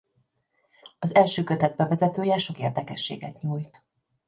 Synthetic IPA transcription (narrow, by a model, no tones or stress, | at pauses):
ɒzɛlʃøːkøt̪ɛd̪̚bɛvɛzɛt̪øːjɛʃo̞keːrd̪ɛkɛʃːḛːɡɛt̪ɲuːjt̪